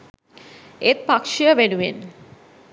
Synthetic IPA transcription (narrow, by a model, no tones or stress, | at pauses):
et̪̚pakʃijəʋenuen